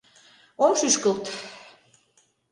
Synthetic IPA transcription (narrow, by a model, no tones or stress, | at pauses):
onʃyʃkə̆lˠt̪